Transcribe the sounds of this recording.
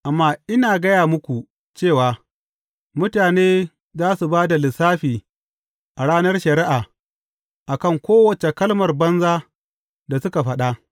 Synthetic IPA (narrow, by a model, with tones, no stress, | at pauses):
ʔa˨mːaː˦ʔɪ˦naː˨ɡɐ˦jaː˨mʊ˦kʷu˨ | t͡ʃeː˦˨waː˨ | mʊ˦taː˨neː˦ | zaː˦su˨baː˦da˨lɪ˨saː˦ɸiː˨ | ʔa˨ɽaː˦nɐ˦rʃɐ˨ɾɪ˦ʔaː˨ | ʔa˨kɐ˦ŋkʷoː˦wɐ˨t͡ʃe˨kɐ˦lmɐ˨rbɐ˦nzaː˦ | da˨sʊ˦ka˨ɸɐ˦ɗa˦ʔ